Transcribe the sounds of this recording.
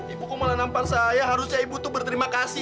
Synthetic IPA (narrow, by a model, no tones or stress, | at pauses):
ibukumalanamparsajaɦaɾʊsɲaibut̪ubərt̪əɾimakasi